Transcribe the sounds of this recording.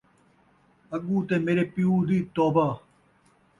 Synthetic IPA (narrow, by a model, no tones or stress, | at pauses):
ɐɡuːt̪emeːɾepiuːd̪iːt̪oːbɐ